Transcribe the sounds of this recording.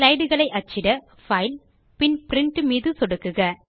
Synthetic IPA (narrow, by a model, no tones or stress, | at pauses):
lɐɪɽɯɣɐɭɐɪʔɐt͡ʃːɪɽɐ | fɐɪl | pɪnpɪɾɪɳʈɯmiːðɯsɔɽɯkːɯɣɐ